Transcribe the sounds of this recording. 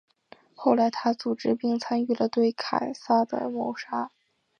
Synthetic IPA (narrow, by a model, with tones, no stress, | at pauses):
xo˥˩ʊla˧˥ɪt̪ʰa˥t͡su˨˩ʈ͡ʂɻ̩˥pi˥˧ŋt͡sʰa˥ny˥˩lə˩t̪we˥˩ɪkʰa˨˩ɪsa˥d̪ə̰˧˩mo˧˥ʊʂa˥